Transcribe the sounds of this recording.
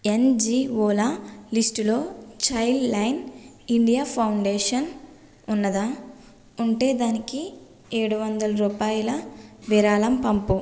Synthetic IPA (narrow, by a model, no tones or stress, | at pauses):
end͡ʒiːʋoːlalisʈulo̞ːt͡ʃɐjllɐjn | iɳɖijaːpʰɐwɳɖeːʂɐn | unːɐd̪a | uɳʈe̞ːd̪aːniki | e̞ːɽuʋɐnd̪ɐlɐɾuːpaːjulɐʋiɾaːlɐmpɐmpu